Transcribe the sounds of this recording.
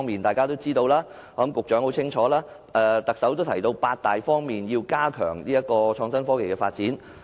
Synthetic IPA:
ŋmiː˨˩nt̪aː˨jkaː˥t̪o˥wt͡siː˥t̪o˧wlaː˥ | ɔː˨˦˥mkʊ˨k̚t͡ʃœː˨˥ŋho˨˥wt͡sʰɪ˥ŋt͡ʃʰɔː˨˥laː˥ | ɛ˨˧t̪ɐ˨k̚sɐ˨˥wt̪o˥wt̪ʰɐ˨˩jt̪o˧wpaː˧t̚t̪aː˨jfɔː˥ŋmiː˨njiː˧wkaː˥kʰœ̰ː˨˩ŋliː˥jɐ˥t̚kːɔː˧t͡ʃʰɔː˧ŋsɐ˥nfɔː˥ke˨˩jkɛː˧fa̰ː˧t̚t͡siː˨˥n

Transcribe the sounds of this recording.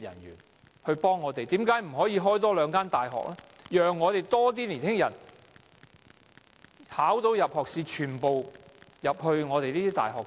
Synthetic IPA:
jɐ̰˨˩nɥy̰ː˨˩n | hɵ˧ɥpɔː˥ŋːɔː˨˧t̪e˨jt̪iː˨˥mkaː˨˥jm̩˨˩ɦɔː˨˥jiː˨˧ɦɔː˥jt̪ɔː˥lœː˨˧ŋkaː˥nt̪aː˨jɦɔ̰ː˨k̚lɛː˥jœː˨ŋːɔː˨˧t̪e˨jt̪ɔː˥t̪̬iː˥liː˨˩nhɪ˥ŋjɐ̰˨˩n | haː˨˥wt̪o˨˧wjɐ˨p̚hɔː˨k̚siː˨˧t͡ʃʰyː˨˩npo˨wjɐ˨p̚hɵ˧ɥŋɔː˨˧t̪e˨jliː˥t̪iː˥t̪a̰ː˨˩jɦɔː˨k

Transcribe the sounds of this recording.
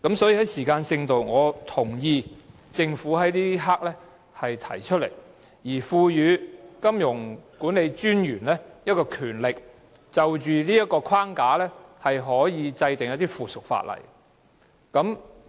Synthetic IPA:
kɐ˨˥msɔː˨˥jiː˧˩ɦɐ˨˥jsiː˨˩kaː˧nsɪ˧ŋt̪o˨wŋɔː˨˧t̪ʰʊ˨˩ŋjiː˧t͡sɪ˧ŋfuː˨˥ɦɐ˨˥jliː˥ɦaː˥k̚lɛː˥ | hɐ˨jt̪ʰɐ˨˩jt͡ʃʰɵ˥t̚lḛ˨˩j | jiː˨˩fuː˧jyː˨˧kɐ˥mjʊ˨˩ŋkuː˨˥nle˨˧jt͡ʃyː˥njyː˨˩nlɛː˥jɐ˥t̚kɔː˧kʰyː˨˩nlɪ˨k̚ | t͡sɐ˨wt͡ʃyː˨niː˥jɐ˥t̚kɔː˧kʰwaː˥ŋkaː˨˥lɛː˥hɐ˨jɦɔː˨˥jiː˨˧t͡sɐ˧jt̪ɪ˨ŋjɐ˦˥t̪iː˥fuː˨sʊ˨k̚fa̰ː˧t̚lɐ̰˨˩j | kɐ˨˥m

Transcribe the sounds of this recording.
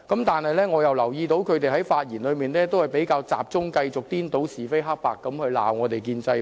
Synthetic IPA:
kɐ˨˥mt̪aː˨nhɐ˨jlɛː˥ŋɔː˨˧jɐ˨wlɐ˨˩wjiː˧t̪̬o˨˥wkʰɵ˨˧ɥt̪̬e˨˩jɦɐ˨˥jfaː˧t̚jiː˨˩nlɵ˨˧ɥmiː˨nlɛː˥t̪o˥whɐ˨˩jpe˨˥jkaː˧wt͡sa̰ː˨p̚t͡sʊ˥ŋkɐ˧jt͡sʊ˨k̚t̪iː˥nt̪o˨˥wsiː˨˩fe˥jɦɐ˥k̚paː˨˩kːɐ˨˧˥mhɵ˧ɥla̰ː˨wŋɔː˨˧t̪e˨˩jkiː˧nt͡sɐ˧j

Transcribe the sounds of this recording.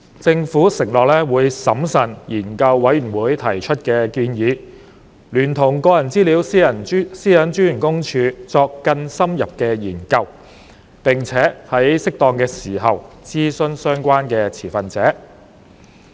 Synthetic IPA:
t͡sɪ˧ŋfuː˨˥sɪ˨˩ŋlɔː˨k̚lɛː˥wuː˨˧jsɐ˨˥msɐ˨˩njiː˨˩nkɐ˧wːɐ˨˥jy˨˩wuː˨˧jt̪ʰɐ˨˩jt͡ʃʰɵ˥t̚kɛː˧kiː˧njiː˨˧ | lyː˨˩nt̪ʰʊ˨˩ŋkɔː˧jɐ˨˩nt͡siː˥liː˨˥wsiː˥jɐ˨˩n˥siː˥jɐ˨˥nt͡ʃyː˥jy˨˩nkʊ˥ŋt͡ʃʰyː˧t͡sɔː˧kːɐ˧nsɐ˥mjɐ˨p̚kɛː˧jiː˨˩nkɐ˧w | pɪ˨ŋt͡sʰɛː˨˥hɐ˨˥jsɪ˥k̚t̪ɔː˧ŋkɛː˧siː˨˩ɦɐ˨w | t͡siː˥sɵ˧nsœː˥ŋkʷaː˥nkɛː˧t͡sʰiː˨˩fɐ˨nt͡sɛː˨˥

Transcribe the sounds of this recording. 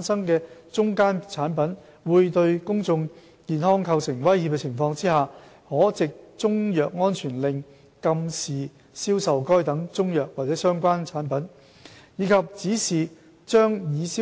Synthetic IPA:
nsɐ˥ŋkɛː˧t͡ʃʊ˥ŋkaː˥nt͡sʰaː˨˥npɐ˨˥n | wuː˨˧jt̪ɵ˧ɥkʊ˥ŋt͡sʊ˧ŋ | kiː˨˩nhɔː˥ŋkʰɐ˧wsɪ˨˩ŋwɐ˥jhi˧˩pkɛ˧t͡sʰɪ˨˩ŋfɔː˧ŋt͡siː˥haː˨ | hɔː˨˥t͡sɪ˨k̚t͡sʊ˥ŋjœː˨k̚ŋɔː˥nt͡ʃʰyː˨˩nlɪ˨˧ŋ | kɐ˧msiː˨ | siː˥wsɐ˨wkɔː˥jt̪ɐ˨˥ŋt͡sʊ˥ŋjœː˨k̚waː˨˩t͡sɛː˨˥sœː˥ŋkʷaː˥nt͡sʰaː˨˥npɐ˨˥n | jiː˨˧kʰɐ˨p̚t͡siː˨˥siː˨ | t͡ʃœː˥ŋjiː˨˧siː˥

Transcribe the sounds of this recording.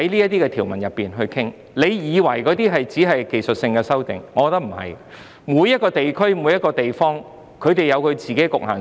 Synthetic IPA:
hɐ˨˥jliː˥jɐ˥t̪iː˥kɛː˧t̪ʰiː˨˩wmɐ˨˩njɐ˨pːiː˨nɦɵ˧ɥkʰɪ˥ŋ | le˨˧jjiː˨˧wɐ˨˩jkɔː˨˥t̪iː˥ɦɐ˨jt͡siː˨˥ɦɐ˨jke˨˩jsɵ˨t̚sɪ˧ŋkɛː˧sɐ˥wt̪ɪ˨ŋŋɔː˨˧kɔː˨˧t̪ɐ˥km̩˨˩hɐ̰˨˩j | muː˨˧jɐ˥t̚kɔː˧t̪e˨jkʰɵ˥ɥmuː˨˧˥jɐ˥t̚kːɔː˧t̪e˨jfɔː˥ŋ | kʰɵ˨˧ɥt̪e˨jɐ˨˧wkʰɵ˨˧ɥt͡siː˨˩ke˨˥jkʊ˨k̚ha̰ː˨˩n

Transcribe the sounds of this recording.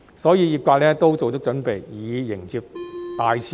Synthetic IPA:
sɔː˨˥jiː˧jiː˨˩p̚kʷaː˧k̚lɛː˥t̪o˥wt͡so˨wt͡ɕʊ˥k̚t͡ʃɵ˨˥npe˨jjiː˨˧jɪ˨˩ŋt͡siː˧p̚t̪aː˨jsʰ

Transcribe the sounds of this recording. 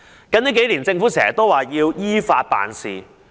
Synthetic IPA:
kɐ˨˥niː˦˥ke˨˥jliː˨˩nt͡sɪ˧ŋfuː˨˥sɛ̰ː˨˩t̪o˥waː˨jiː˧wjiː˥faː˧t̚pa̰ː˨nsḭː˨

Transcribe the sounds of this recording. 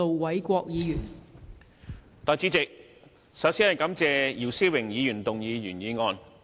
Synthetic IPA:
o˨wwɐ˨˥jkʷɔː˧k̚jiː˨˧jy˨˩n | t̪ɔː˨˧jt͡siː˨˥t͡sɪ˨k̚ | sɐ˨˥wsiː˨˥hɐ˨jkɐ˨˥mt͡sɛː˨˧jiː˨˩wsiː˥wɪ˨˩ŋjiː˨˧jyː˨˩nt̪ʊ˨ŋjiː˨˧jyː˨˩njiː˨˧ŋɔː˧n

